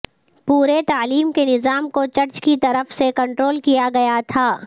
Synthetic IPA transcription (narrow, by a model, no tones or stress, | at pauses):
puːɾet̪aːliːmkenɪzaːmkot͡ʃɐɾt͡ʃkit̪ɐɾəfsekɐ̃ɳʈɾoːlkijaɡɐjat̪ʰaː